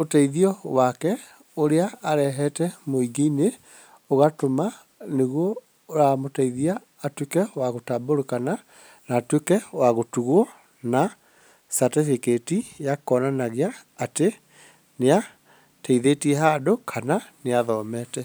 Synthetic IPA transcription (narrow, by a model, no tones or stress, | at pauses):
otaiðiɔwakɛ | oɾeaːɾɛɦɛtɛmoiɡeine | oɣatoma | neɣwɔ | ɾamotaiðiaː | twekɛwaɣotaboɾokana | naːtwekɛwaɣotuɣɔ | na | satefeketijakɔnanaɣeaːte | nea | taiðetiɛɦadokʰananeaðɔːmɛtɛ